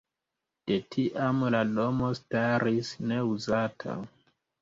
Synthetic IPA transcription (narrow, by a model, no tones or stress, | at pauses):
d̥e̞tʰiʔamlado̞mo̞staɾisne̞uzatʰa̰